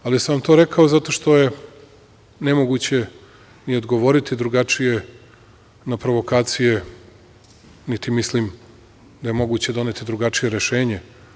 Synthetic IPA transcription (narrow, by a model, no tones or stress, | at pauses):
alisaamt̪o̞ɾekʰaozat̪o̞ʃt̪oje̞ | ne̞moɡut͡ɕe̞ | niod̪ɡo̞ʋo̞ɾit̪id̪ɾuɡat͡ʂije̞ | napɾo̞ʋo̞kaːt̪sije̞ | nit̪imislim | d̪ajemo̞ɡuːt͡ɕed̪o̞net̪id̪ɾuɡat͡ʂije̞ɾeʃeːɲe